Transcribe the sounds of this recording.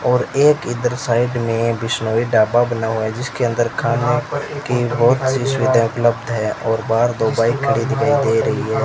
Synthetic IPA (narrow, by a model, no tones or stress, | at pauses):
ɔːɾeːkɪd̪əɾsaːɪɖmẽbɪsnoːiɖaːbabənaɦuɛd͡ʒɪskeə̃nd̪əɾkʰaːnekibɔɦʊt̪sisʊʋɪd̪ʱãʊpləbd̪ʱɦɛ̃ʔɔːɾbaːɾd̪oːbaːikʰːəɽiːd̪ɡəid̪eːɾɐɦiɦɛː